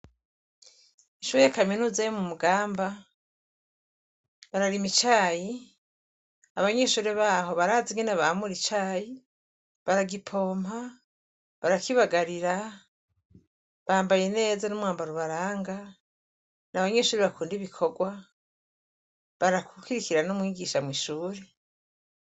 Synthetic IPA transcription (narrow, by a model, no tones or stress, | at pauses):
iʃuejakaminuzajomumuɡaːmba | βaɾaɾimit͡ʃaːji | aβaɲeːʃuɾeβaːho̞βaɾaːziŋɡenaβamuɾit͡ʃaːji | βaɾaɡipʰo̞ːmha | βaɾakiβaɡaɾiɾa | βaːmbajene̞ːzanomwaːmbaɾuβaɾaːŋɡa | naβaɲeʃuːɾeβakuːndiβikʰo̞ɡwa | βaɾakukiɾikiɾanomwiːɡiʃamwiːʃuːɾe